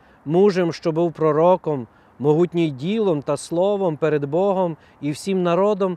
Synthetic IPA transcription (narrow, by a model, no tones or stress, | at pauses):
muʒemʃt͡ʃɔbuwpɾɔɾɔkɔmː | ɔɦutʲnʲijdʲilˠɔmt̪ɐslˠɔʋɔmpeɾed̪bɔɦɔm | iwsʲimnɐɾɔd̪ɔm